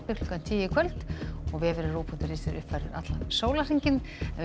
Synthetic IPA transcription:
pɪklʏkant̪ʰiːjɪkʰvœlt̪ɔɣvɪɛvɪɾɪruːpʰunt̪ɪɾiːsɪɾʏ̰hpfajɾɪɾa̰t̪lansoːwlariɲcɪnɛnv

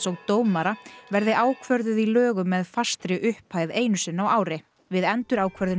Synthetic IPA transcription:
sɔɣt̪oːwmaɾavɛɾðɪʔaːwkʰvœɾðʏðilœːɣʏmːɛðfast̪ɾɪʔʏhphaːjðeːjnʏsɪnːawaːwɾɪ | vɪðɛnt̪ʏɾaːwkʰvœɾðʏ

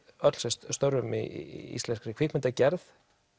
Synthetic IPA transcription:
œt̪l̥sɛst̪st̪owɾʏmḭḭst̪ɛnskɾikʰviːkmɛnt̪acɛɾθ

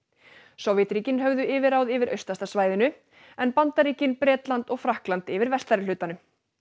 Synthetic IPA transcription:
sɔwvjɛt̪ɾiːcɪnɦœɣðʏɪːvɪɾawðɪvɪɾʔœɥst̪ast̪asvaːjðɪnʏ | ɛnpant̪aɾiːcɪnpɾɛːt̪lant̪ɔɣfɾahklant̪ɪvɪɾvɛst̪aɾɪlʏːt̪anʏ

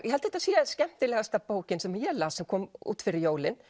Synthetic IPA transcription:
jʔɛhɦɛlt̪hɛt̪asiːascɛm̥t̪ɪlɛɣast̪apoːwcɪnsɛmjɛlaːsɛmkʰɔːmṵːt̪fɪɾɪɾjoːwlɪn

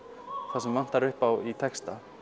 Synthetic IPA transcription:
θasɛmvan̥t̪aɾʏhpawit̪ʰɛkst̪a

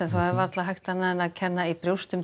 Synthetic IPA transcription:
ɛnθawɛɾvaɾt̪laɦajxt̪anaðɪnaðcʰɛnːaipɾjowst̪ʏm

